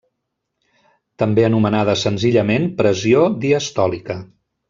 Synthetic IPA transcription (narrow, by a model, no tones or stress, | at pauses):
t̪əmbeənumənað̞əsənziʎəmenpɾəziod̪iəst̪ɔlikə